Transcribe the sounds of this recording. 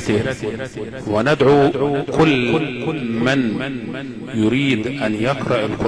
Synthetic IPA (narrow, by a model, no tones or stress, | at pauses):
iɾ | wɪnɪd̪ʕukʊlː | mɪn | jʊɾiːd̪ʔanjaqɾˤɑʔɪlqʊ